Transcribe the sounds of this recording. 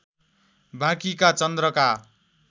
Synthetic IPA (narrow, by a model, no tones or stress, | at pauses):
bʱãkikat͡sʌnd̪rʌka